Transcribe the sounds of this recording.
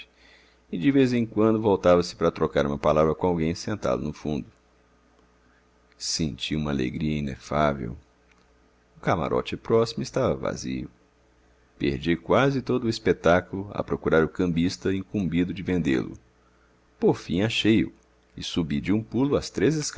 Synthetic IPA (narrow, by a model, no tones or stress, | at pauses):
ɪd͡ʒɪvezẽkwɐ̃nd̪ʊvowt̪avɐsɪ̥paɾɐt̪ɾokaɾũmɐpalavɾɐkõawɡẽj̃sẽnt̪a̰d̪ʊnʊfṵ̃nd̪ʊ | sẽnt͡ʃiũmɐa̰lḛɡɾiɐinḛfavḛw | ʊkama̰ɾʔɔ̰t͡ʃɪpɾɔsimʊɪst̪avɐva̰zḭʊ | pḛɾd͡ʒikwazɪt̪od̪ʊispet̪akulʊɐ̰pɾokuɾaɾʊkɐ̃mbist̪ɐĩkũmbid̪ʊd͡ʒɪvẽnd̪ḛlʊ̰ | poɾfĩaʃejʊ̰ | ɪsubid͡ʒɪũpulʊast̪ɾezɪsk